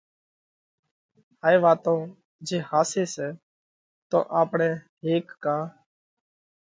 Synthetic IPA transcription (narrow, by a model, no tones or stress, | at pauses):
aːeːʋaːt̪õː | d͡ʒeːhaːseːsɛː | t̪õ̰ːʔaːpɳɛː | ɦeːkːaː